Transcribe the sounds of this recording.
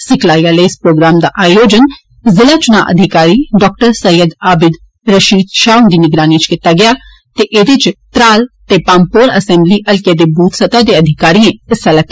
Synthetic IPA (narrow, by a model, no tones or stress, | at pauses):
sɪkʰlaːiaːleɪspɾoːɡɾaːmd̪a̰ːʔaːjoːd͡ʒən | zɪlaːt͡ʃʊna̰ːʔəd̪ʱɪkaːɾiːɖɔːk̚ʈəɾsəjəd̪aːbɪd̪ | ɾəʃiːd̪ʃaːʊnd̪iːnɪɡɾaːniːt͡ʃkɪt̪aːɡɪjaː | t̪eːʔed̪ɪt͡ʃt̪ɾaːlt̪eːpãːmpoːɾəsɛ̃ːmbliːʔəlkeːd̪eːbuːt̪sət̪aːd̪eːəd̪ʱɪkaːɾiːẽːɪsələkː